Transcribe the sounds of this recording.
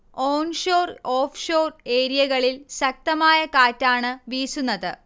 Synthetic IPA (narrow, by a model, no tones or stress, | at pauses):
oːnʂoːroːfʰʂoːre̞ːɾijɐɣɐɭilɕɐk̚t̪ɐmaːjɐkaːtːaːɳɨʋiːsunːɐðɨ